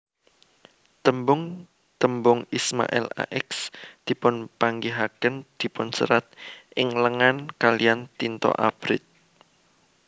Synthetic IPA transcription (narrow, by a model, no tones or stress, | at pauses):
t̪əmbʊŋ | t̪əmbʊŋisma̰ʔɛ̰la̰ʔɛksd̪̥i̤pʊnpaŋɡiɦakənd̪̥i̤pʊnsə̰ɾat̪̚ʔɪŋləŋankalijant̪int̪ɔ̰ʔab̥ɾɪ̰t̪̚